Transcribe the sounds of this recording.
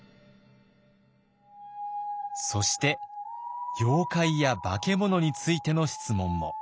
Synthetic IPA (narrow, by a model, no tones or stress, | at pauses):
so̞ɕi̥t̪e̞ | jo̞ːkaijaba̰ke̞mo̞no̞ɲ̟it͡sɨit̪e̞no̞ɕi̥t͡sɨmõ̞mːo̞̰